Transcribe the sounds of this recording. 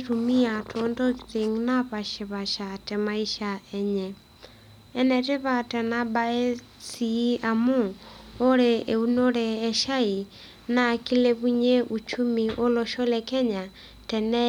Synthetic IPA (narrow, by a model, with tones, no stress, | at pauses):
tumi˦a˨tʰondɔɾi˨ŋnaβa˨ʃe˨βa˨ʃatɛ˨mai˦ʃaɛɲɛ | ɛ˦nɛte˦βatɛ˨nabae˦ | si˦a˨mu˦o˦ɾee˨u˦noɾɛːʃa˦i˨ | naki˦le˦βuɲe˦ʔut͡ʃu˦mi˨ʔo˦loʃo˦lɛkɛ˦ɲa˨ | tɛnɛ